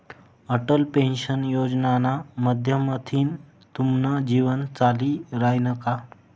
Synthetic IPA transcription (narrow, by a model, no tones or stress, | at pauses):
əʈəlpẽnɕənjod͡ʑnanaməd̪ʱjəmət̪ʰiːn | t̪umnəd͡ʑiʋənt͡saliːɾajnəka